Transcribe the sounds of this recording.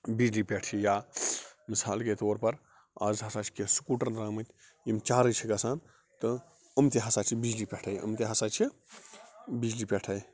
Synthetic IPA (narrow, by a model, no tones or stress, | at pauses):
bid͡ʒlipeːʈʰijaːmisaːlket̪oːɾpɐɾ | aːzɦɐsaːt͡ʃʰi̥kesu̥kuːʈɐɾɾaːmɨt̪ʲʰ | imt͡ʃaːɾɨt͡ʃʰiɡɐsaːn | t̪ɨ | əmt̪eɦɐsaːt͡ʃʰibid͡ʒlipʲeʈʰɐjə̰mt̪eɦɐsaːt͡ʃʰi | bid͡ʒlipeːʈʰɐj